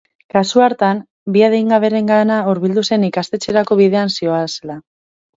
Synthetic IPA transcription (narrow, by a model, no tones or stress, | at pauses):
kasuaɾt̪am | biaðejŋɡaβ̞e̞ɾe̞ŋɡanauɾβild̪use̞nikast̪e̞t͡se̞ɾako̞β̞iðe̞ansio̞asela